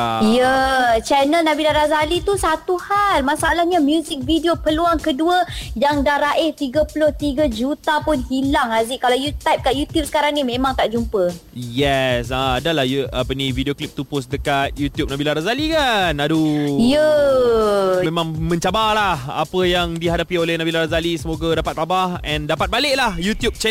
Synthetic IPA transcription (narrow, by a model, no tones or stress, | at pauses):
jət͡ʃɛnəlnabilaɾazalit̪usat̪uhalmasaalahɲamjuzik̚vidiopəluaŋkəduəjaŋdaɾaʔɛht̪iɡəpulʊht̪iɡad͡ʒut̪apʊnhilaŋazɪʔkalawjut̪ajp̚kaʔjut̪jup̚səkaɾaŋnimẽmaŋt̪aʔd͡ʒumpəjɛsaadalahjuʔapənividioklip̚t̪upʊs̬dəkat̪̚jut̪jup̚nabilaɾazalikanadujə | memãŋmə̃ɲt͡ʃabahlaha̰pəjaŋdiɦadapiolehnabilaɾazalisəmoɡadapat̪̚labahɛ̃ndapat̪̚balɪʔ̚lahjut̪jub̚t͡ʃɛ